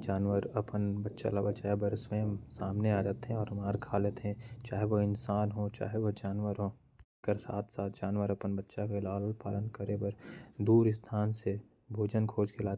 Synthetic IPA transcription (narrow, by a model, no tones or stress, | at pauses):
d͡ʒaːnʋəɾɐpənbətːʃa̰labət͡ʃaːɦebəɾsweːmsaːmneaːd͡ʒaːt̪eɦɛ̃ɔːɾmaːɾkʰaːlet̪ɦɛ̃t͡ʃaːɦeʋoɪnsaːnɦot͡ʃa̰ːɦeʋod͡ʒaːnʋəɾɦo | kəɾsa̰ːt̪ʰsaːt̪ʰd͡ʒaːnʋəɾɐpənbətːʃakelaːllpaːlənkəɾebəɾd̪uːɾɪst̪ʰaːnse | bʱoːd͡ʒənkʰoːd͡ʒkelaːt̪